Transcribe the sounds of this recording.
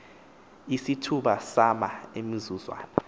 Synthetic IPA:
isitʰuɓasamaemizuzwa̰ːnɔ

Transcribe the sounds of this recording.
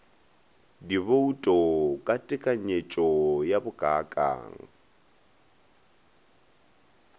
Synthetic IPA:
diβoutʼɔkʼatʼɪkʼaɲet͡ʃʼɔjabʊɡʼakʼa̰ːŋ̩

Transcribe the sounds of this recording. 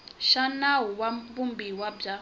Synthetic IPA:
ʃanawuwabumbiwabb͡ʐa

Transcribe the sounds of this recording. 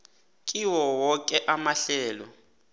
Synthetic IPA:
kʼiwɔwɔk̬ʼɛʔamaɬɛːlɔ̰

